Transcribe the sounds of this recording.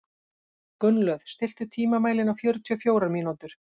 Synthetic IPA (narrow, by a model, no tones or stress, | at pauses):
kʏnlœð̥st̪ɪl̥t̪ʏt̪ʰiːmamaːjlɪnawfjœːɾʏt̪ʰyɔfjoːwɾaɾmiːnut̪ʏɾ̥